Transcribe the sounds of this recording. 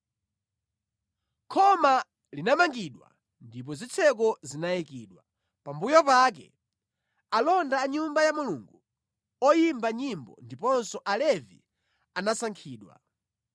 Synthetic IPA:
kʰɔma | linamaŋɡiɗwa̰ | ndip̬ɔzit͡sʰɛk̬ɔzinajikiːɗwa | pambujɔpak̬ɛ̰ | alɔndaːɲumbajamuluːŋɡu | ɔjimbaɲimbɔ̰ndipɔnsɔʔalɛvḭ | anasaŋkʰiːɗwa̰

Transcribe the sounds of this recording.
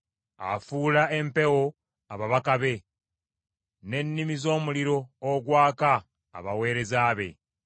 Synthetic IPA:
a̰fuːlae̞mpe̞wo̞ | aβaβakaβe̞ | ne̞nːimizo̞ːmuliɾo̞ːɡwaːka̰ː | βawe̞ːɾe̞zaːβe̞̰

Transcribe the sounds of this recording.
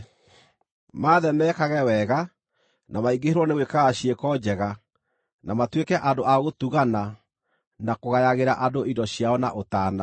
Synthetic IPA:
maːðɛmɛkaɣɛwɛɣa | namaiɡeheɾwɔnewekaɣaɕiekɔd͡ʑɛɣa | namatwekɛʔandoʔaɣotuɣana | nakoɣajaɣeɾaʔadoidɔɕjaɔna̰ʔotaːna

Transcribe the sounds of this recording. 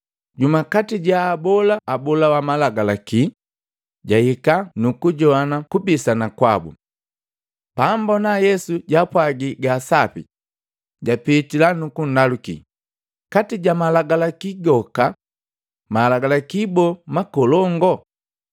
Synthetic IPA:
ɟumakatiɟaːbɔlaːbɔlawamalaɡalaki | ɟahikanukuɟɔanakubisanakwabṵ | pambɔnajɛsuɟapwaɡiɡaːsapḭ | ɟapitilanukun̩dalukḭ | katiɟamalaɡalakiɡɔka | malaɡalakibɔmakɔlɔŋɡɔ

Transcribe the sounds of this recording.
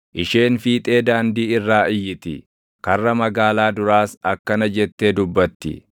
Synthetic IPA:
ʔɪʃe̞ːnfiːt̪ʼe̞ːd̪aːnd̪iːɪrːaːʔɪjːɪt̪ɪ̰ | kɐrːɐmɐɡaːlaːd̪ʊɾaːsɐkːɐnɐd͡ʒɛt̪ːe̞ːd̪ʊbːɐt̪ːɪ̰

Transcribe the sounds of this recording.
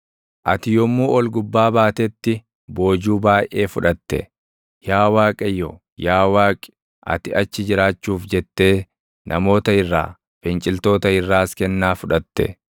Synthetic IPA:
ʔɐt̪ɪjɔmːuːʔɔlɡʊbːaːbaːt̪ɛt̪ːɪ | bo̞ːd͡ʒuːbaːjʔe̞ːfʊᶑɐt̪ːɛ̰ | jaːwaːkʼɐjːɔ | jaːwaːkʼɪ̥ | ʔɐ̰t̪ɪɐt͡ʃːɪd͡ʒɪɾaːt͡ʃːuːfd͡ʒɛt̪ːe̞ː | nʔɐ̰mo̞ːt̪ɐɪrːa̰ː | fɛnt͡ʃʼɪlt̪o̞ːt̪ɐɪrːaːskɛnːaːfʊᶑɐt̪ːɛ̰

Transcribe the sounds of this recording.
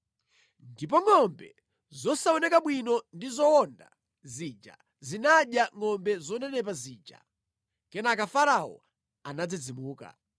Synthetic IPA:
ndip̬ɔŋɔmbɛ | zɔsaɔnɛkaɓwinɔndizɔɔnda̰ | zid͡ʒa̰ | zinaɗjaŋɔmbɛzɔnɛnɛp̬aziːd͡ʒa̰ | kɛnakafaɾawɔ̰ | anad͡zid͡zimuːka̰

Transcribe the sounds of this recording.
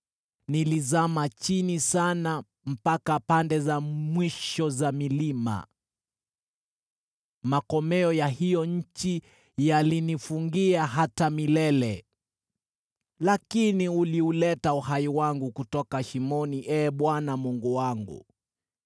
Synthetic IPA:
nilizamat͡ʃinisana | m̩pakapandɛzamwiʃɔzamilima̰ | makɔmɛɔjaɦijɔɲ̩t͡ʃi | jalinifuŋɡiaɦatamilɛlɛ | lakiniuliulɛtauhaiwaŋɡukutɔkaʃimɔniʔɛːɓwanamuŋɡuwaŋɡṵ

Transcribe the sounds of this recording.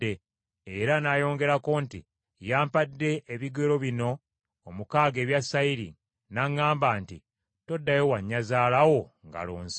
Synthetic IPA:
e | eɾanaːjo̞ːŋɡe̞ɾako̞nti | jaːmpadːe̞ʔːβiɡelo̞βino̞ː | mukaːɡe̞ːβjasaiɾḭ | naŋːaːmbaːntḭ | to̞dːajewaɲːazaːlawo̞ŋɡa̰lo̰ːnzi

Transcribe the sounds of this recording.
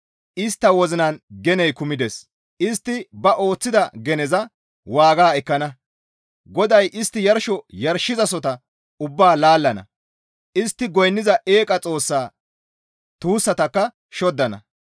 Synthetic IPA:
ʔɪst̪ːɐwɔzɪnɐnɡɛnɛjkʊmɪd̪ɛs | ʔɪst̪ːɪbɐʔo̞ːt͡sːɪd̪ɐɡɛnɛzɐ | waːɡaːɛkːɐnɐ | ɡɔd̪ɐjʔɪst̪ːɪjɐɾʃɔjɐɾʃːɪzɐsɔt̪ɐ | ʊbːaːlaːlːɐnɐ̰ | ʔɪst̪ːɪɡɔjnːɪzɐʔeːkʼɐt͡sʼo̞ːsːaː | t̪uːsːɐt̪ɐkːɐ | ʃɔd̪ːɐnɐ̰

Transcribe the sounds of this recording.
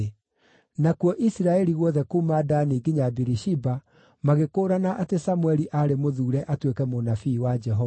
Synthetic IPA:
nakwɔʔisiɾaɛɾiɣwɔðɛkumadaːniːɡiɲabiɾiʃiba | maɣekoːɾanaʔatesamuɛɾiʔaɾemoðuːɾɛʔatwekɛmonafiːwad͡ʒɛɦɔ

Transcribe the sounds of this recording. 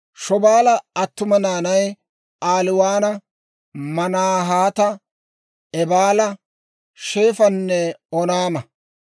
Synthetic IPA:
ʃɔbaːlɐɐt̪ːʊmɐnaːnɐj | ʔaːlɪwaːnɐ | mɐnaːɦaːt̪ɐ | ɛbaːlɐ | ʃeːfɐnːɛɔnaːmɐ

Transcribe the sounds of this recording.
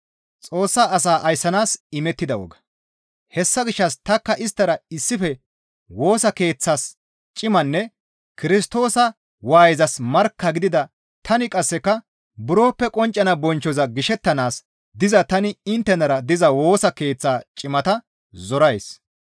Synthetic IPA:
t͡sʼo̞ːsːaːɐsaːʔɐjsːɐnaːsɪmɛt̪ːɪd̪ɐwɔ̰ɡɐ̥ | hɛsːɐɡɪʃːɐst̪ɐkːɐʔɪst̪ːɐɾɐɪsːɪfɛ | wo̞ːsɐke̞ːt͡sːaːs | t͡ʃʼɪmɐnːɛ | kɪɾɪst̪o̞ːsɐ | waːjɪzɐsmɐɾkːɐɡɪd̪ɪd̪ɐ | t̪ʰɐnɪkʼɐsːɛkːɐ | bʊɾo̞ːpːɛkʼɔnt͡ʃʼːɐnɐbɔnt͡ʃːɔzɐɡɪʃɛt̪ːɐnaːs | d̪ɪzɐt̪ɐnɪɪnt̪ːɛnɐɾɐd̪ɪzɐwo̞ːsɐke̞ːt͡sːaːt͡ʃʼɪmɐt̪ɐ | zɔɾɐjs

